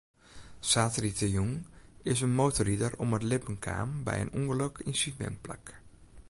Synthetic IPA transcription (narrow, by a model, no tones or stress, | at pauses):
saːtəritəjuŋɪsənmoːtoɾidərɔmətlɪpənkʰa̰ːmbɛ̰jə̰nuŋələkʰinsimɛ̰npla̰k